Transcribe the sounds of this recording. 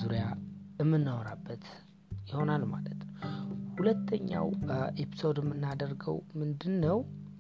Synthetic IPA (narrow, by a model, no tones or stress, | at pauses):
zuɾijaɨmːɨnːəwɔɾabːət̪ | jɪho̞nalma̰lət̪nəwhulət̪ʰːəɲːa̰wʔepʰi̥so̞d̪ɨmːɨnːad̪ərɡə̰wmɨnd̪ɨnːəw